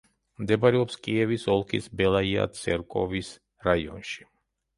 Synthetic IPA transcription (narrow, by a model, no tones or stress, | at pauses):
md̪ɛbaɾɛɔpskʼiɛvisɔlˠkʰḭsbɛlˠaia̰t̪sʰʼɛ̰ɾkʼɔvis | ɾaiɔ̰nʃi̥